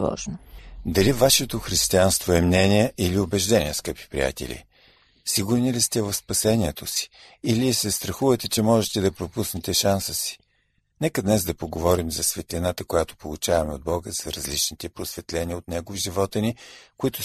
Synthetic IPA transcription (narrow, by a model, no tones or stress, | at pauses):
ɔ̰ʒnod̪ɐlivaʃɛt̪oxɾist̪ianst̪voɛmnɛniɛʔiliobɛʒd̪ɛnʲiɛskəpi̥pɾḭja̰t̪ɛ̰lʲḭ | siɡʊɾnilist̪ɛvɐfspɐsɛnʲiɛt̪osi̥ilisɛst̪ɾɐxuvɐt̪ɛt͡ʃɛmɔʒɛt̪ɛd̪ɐpɾopusnɛt̪ɛʃansəsi̥ | nɛkəd̪nɛzd̪ɐpoɡovɔɾimzɐsvɛt̪lʲinat̪əkojat̪o̥polˠut͡ʃavɐmɛo̰d̪̚bɔɡəzɐɾɐzlit͡ʃnit̪ɛpɾosvɛt̪lɛnʲiəot̪nɛɡovʒivɔt̪ənikʊit̪ʊ